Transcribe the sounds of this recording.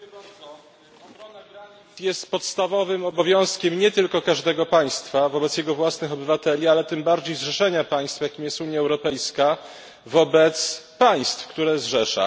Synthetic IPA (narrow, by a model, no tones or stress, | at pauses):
aɔ | ɔnaɡɾaɲit̪sjɛst̪pɔt̪st̪avɔvɘmɔbɔvʲjɔ̃w̃skʲɛmɲɛt̪ɘlkɔkaʐd̪ɛɡɔpaj̃st̪favɔbɛt̪sjɛɡɔvwasnɘxɔbɘvat̪ɛlʲialɛt̪ɘmbaɾd͡ʑejzʐɛʂɛɲapaj̃st̪fjakʲimjɛst̪uɲjaɛwɾɔpɛjska | vɔbɛt̪spaj̃st̪fkt̪uɾɛzʐɛʂa̰